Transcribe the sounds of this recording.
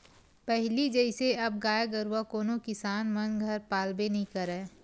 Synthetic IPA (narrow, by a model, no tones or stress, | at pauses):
pɛɦlid͡ʒəɪseɐb̚ɡaːjaɡəɾuwakoːnokɪsaːnmɐnɡʱɐɾpaːlbenɐɦĩkɐɾɛː